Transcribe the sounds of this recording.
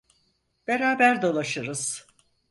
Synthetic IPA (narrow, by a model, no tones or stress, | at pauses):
b̥e̞ɾaːbæɾd̪o̞lˠaʃɯɾɯz̥